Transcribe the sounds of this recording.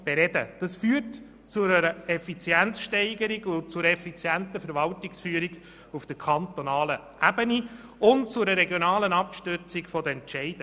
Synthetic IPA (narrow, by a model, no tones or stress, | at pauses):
b̥eɾɛdə̰d̥ɑsfyːət | t͡sʊɾəɾəɛfit͡sjænt͡sʃtɛɪɡəɾɪɡʊnt͡sʊɾɛfit͡sjæntəfəɾvɑltɪksfyəɾiɡ | ufd̥əɾkʰɑnt̪onɑːlə | ʔæbəni | ʊntt͡sʊɾəɾɛɡjonɑːlənɑpʃtʏt͡sɪɡfɔdəɛntʃɛɪd̥ə